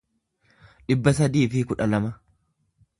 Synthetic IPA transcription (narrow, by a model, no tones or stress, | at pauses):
ᶑɪbːɐsɐd̪iːfɪkʊᶑɐlɐmɐ